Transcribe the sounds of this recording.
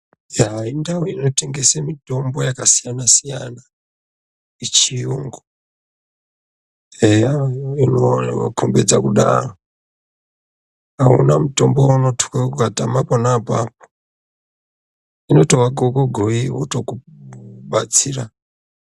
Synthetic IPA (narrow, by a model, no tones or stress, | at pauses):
jaindawuinoteŋɡesemitombɔjakasijanasija̰na | it͡ʃʰijuŋɡɔ | ɛainowa̰kʰombɛd͡zakuɗa̰ɾɔ | aṵnamutombɔunotʰu̥kakukatamapɔnapa̰p̚ɔ̥ | inotowaɡɔɡoɡʱoiwṵtokuɓat͡siːɾa